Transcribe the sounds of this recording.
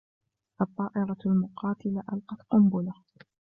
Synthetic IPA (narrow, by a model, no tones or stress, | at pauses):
ʔɑt̪ˤːɑːʔɪɾˤɑlmʊqɑːt̪ɪlaʔalqɑt̪qʊmbʊla